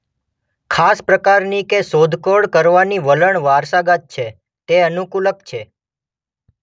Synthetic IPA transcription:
kʰaspɾəkaɾnikesod̪ʱkoɽkəɾʋaniʋələɳʋaɾsaɡat̪̚t͡ʃʰe | t̪eənukuləkt͡ʃʰe

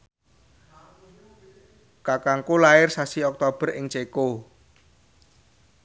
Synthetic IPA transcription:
kakaŋkulaɪrsasiɔk̚t̪ob̥ə̤rɪŋt͡ʃeko

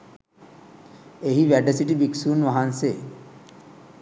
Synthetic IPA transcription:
eɦiʋæɖəsiʈibiksuːnʋaɦanse

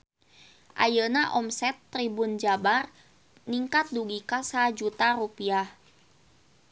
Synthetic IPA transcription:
ʔa̰jənaʔɔmsɛt̪ːɾibund͡ʒabar | niŋkat̪̚duɡikasad͡ʒut̪aɾupiah

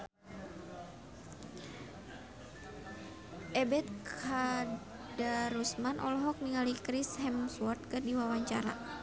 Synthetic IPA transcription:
ʔɛbɛt̪̚kʰa | daɾusmanʔɔ̰lɦɔk̚niŋalikɾishɛmswɔt̪̚kɨrdiwawaɲt͡ʃaɾa̰

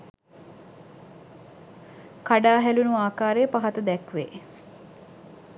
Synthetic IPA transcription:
kaɖaːɦælunuaːkaːɾejəpaɦat̪əd̪ɛkʋe

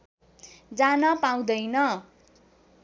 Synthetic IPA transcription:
d͡zanʌpaw̃d̪ʌjnʌ

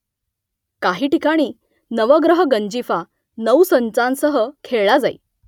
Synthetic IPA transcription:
kaɦiːʈikaɽ̃iː | nəʋəɡɾəɦəɡəɲd͡ʑifa | nəwsənt͡sãnsəɦəkʰeɭɭad͡zaḭ

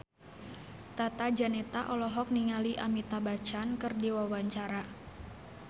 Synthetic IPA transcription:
t̪at̪ad͡ʒanɛt̪aʔɔlɔɦɔk̚niŋaliʔamit̪abat͡ʃankɨrdiwawaɲt͡ʃaɾa

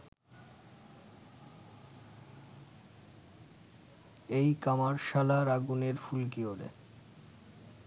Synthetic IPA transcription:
ejkamaɾʃalaɾaɡuneɾfulkioɾḛ

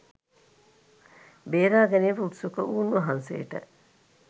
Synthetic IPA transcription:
beːɾaːɡeniːfɐutsukəʔuːnːuɦɐnsḛːʈɐ̰ʔ

